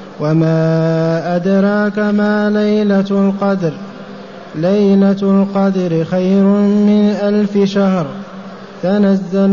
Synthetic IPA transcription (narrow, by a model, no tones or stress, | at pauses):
wamaːʔad̪ɾˤɑːkamaːlajlalqɑd̪ɾ | lajlalqɑd̪ɾɪxajɾʊmɪnʔalfɪʃahɾ | t̪anazːal